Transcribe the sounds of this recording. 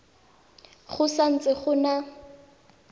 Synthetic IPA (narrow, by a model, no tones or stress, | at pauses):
χʊsan̩t͡sʼɪχʊna